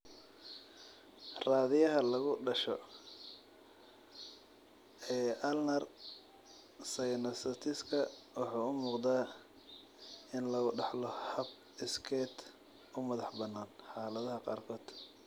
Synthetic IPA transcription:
raːðɪjɐɦɐlɐɣʊɖɐʃɔ | ɛːʔɐlnɐr | sɛjnɐsɐt̪ʰɪskʰɐwɑħɑːʊmuːqd̪aː | ɪnlɐɣʊɖɑħlɔhɐb | ɪskʰɛːt̪ | ʊmɐðɑħbɐnːaːnħɑːlɐðɐɦɐqɑ̰ːrkʰɔːd̪̥

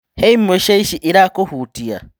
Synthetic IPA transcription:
heimːoʃeiʃiʔiɾakohutia̰

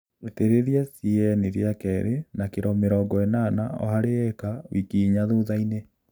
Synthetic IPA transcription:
eteɾeðjasiɛneɾjakɛɾenakeɾɔmeɾɔɡɔɛnaːna̰ɔ̰haɾeɛkawikiɲaðoðaine

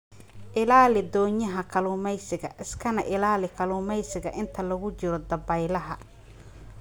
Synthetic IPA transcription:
ʔɪlaːlɪd̪ɔːɲɐɦɐkʰɐluːmɛjsɪɣɐ̰ʔɪskʰɐnɐʔɪlaːlɪkʰɐluːmɛjsɪɣɐʔɪnt̪ʰɐlɐɣʊt͡ʃɪɾɔd̪ɐbɐjlɐɦɐ

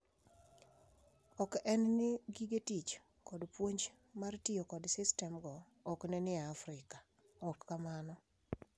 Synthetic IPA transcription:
ɔkɛnnɪɡiɡetit͡ʃ | kɔdpwoɲd͡ʒ | martɪokɔdsɪstɛmɡɔ | ɔknɛnɪaːfɾɪkḁ | ɔkːamanɔ

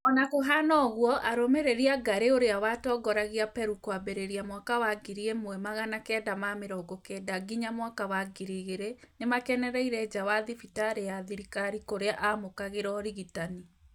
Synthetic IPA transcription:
ɔnakoɦanɔɣwɔʔaɾomeɾeɾiaɡaɾeoɾeawatɔːɡɔɾaɣiapɛɾukwabeɾeɾiamwakawaɡiɾiemowɛmaɣanakɛdamameɾɔɡɔkɛdaɡiɲamwakawaɡiɾiɣeɾenemakɛnɛɾɛiɾɛd͡ʒawaðifitaɾejaðiɾikaɾikoɾeaʔamokaɣeɾɔɾiɣitani

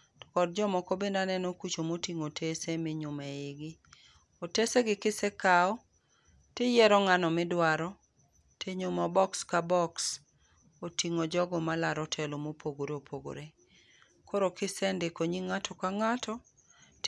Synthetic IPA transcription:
tɔ̥kɔd̚d͡ʒɔmɔkobendanɛnɔkut͡ʃomotiŋotʰesemɪɲʊmeɪɡɪ | oteseɡɪkɪsekaɔ | tɪjɛɾɔŋanɔmɪdwaɾɔ | tʰɪɲʊmɔbɔkskabɔks | otiŋod͡ʒɔɡɔmalaɾɔtʰɛlomopoɡoɾopʰoɡo̰ɾe | kʰoɾokɪsɛndekoɲiŋatʰɔkaŋatʰɔ | t

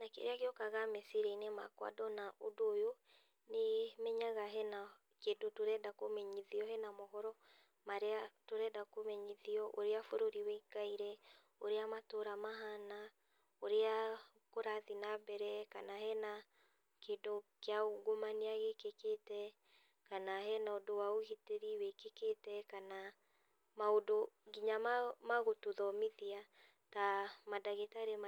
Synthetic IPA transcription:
nakḛɾeakeɔkaɣamesiɾeinema̰kwa̰dɔnaʔodoːjo | nemɛɲaɣaɦɛna | kedotoɾɛdakomɛɲiðiɔhɛnamɔɦɔɾɔ | maɾeatoɾɛdakomɛɲiðiɔʔoɾeafoɾoɾiweikaiɾɛ | oɾeamatoɾamaɦana | oɾea | koɾaðinabɛɾɛkanahɛna | keːdokeaoɣomaneaɣekeketɛ | kanaɦɛnaodowaohiteɾiwekeketɛkana | maodoɡiɲammaɣotoðɔmiðia | tamadaɣetaɾem

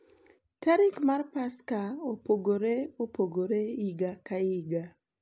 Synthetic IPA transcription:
taɾikmarpaskaopoɡoɾeopoɡoɾeiɡakaiɡa

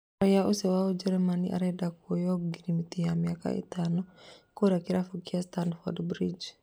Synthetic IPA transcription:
ɾijaʔusɛwaod͡ʒɛɾɛmaniʔa̰ɾɛdakuɔjɔɡiɾimit̪ijamijaka̰ʔḭt̪anɔkuɾakiɾafukiast̪andfɔdbɾid͡ʒ

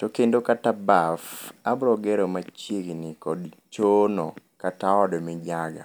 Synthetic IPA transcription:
tokendokatabafabɾɔɡɛɾomat͡ʃjeɡnɪkɔdt͡ʃonokataɔdmɪd͡ʒaɡa̰

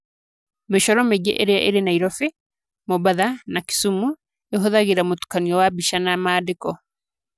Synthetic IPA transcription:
meʃɔɾɔmeɡḛʔeɾeaʔeɾenaiɾɔfe | mɔbaðanaki̥sumu | eɦoðaɣeɾamotu̥kaniɔwabiʃanamaːdekɔ

